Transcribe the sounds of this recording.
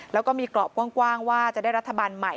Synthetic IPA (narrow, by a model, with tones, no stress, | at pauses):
lɛː˦˥wkɔː˥˩miː˧klɔː˨˩p̚ku˥˩ŋkwaː˥˩ŋwaː˥˩t͡ɕa˨˩daː˥˩jɾa˦˥t̪ʰːa˧baː˧nma˨˩j